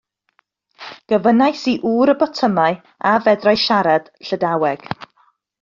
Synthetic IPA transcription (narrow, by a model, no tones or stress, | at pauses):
ɡ̥əvənajsiʔuːɾəbɔtʰəmaɨ | avɛdrajʃaɾad̥ɬədawɛɡ̥